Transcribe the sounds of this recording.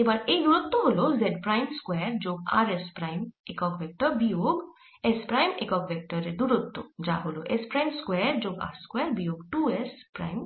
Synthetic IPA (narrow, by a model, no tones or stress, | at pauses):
ebaːɾed̪uɾut̪ːoɦolozɛɖpɾajmskwɛːɾd͡ʒoːɡa̰ːɾespɾajmekɔkʋek̚ʈəbioːɡ | espɾaːjmḛkɔːkʋek̚ʈəɾed̪uɾut̪ːod͡ʒa̰ːɦoloʔespɾaːjmskwɛːɾd͡ʒoːɡa̰ːɾskwɛːɾbijoːɡʈuespɾa̰ːjm